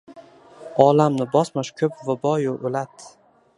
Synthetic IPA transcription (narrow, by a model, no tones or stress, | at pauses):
ɒlamnɪbɒsmaʃkʲʰɵpvabɒjoʔolat̪